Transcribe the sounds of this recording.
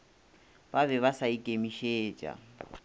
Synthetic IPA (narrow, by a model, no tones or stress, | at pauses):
baβɛβasaikʼemiʃeːt͡ʃʼa̰